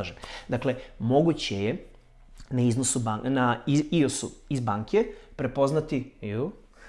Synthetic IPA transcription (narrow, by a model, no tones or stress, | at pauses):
ʒemd̪akle̞mo̞ɡut͡ɕeje | naiznosubanaiiosuizbaːŋkʰe̞pɾe̞po̞znat̪iju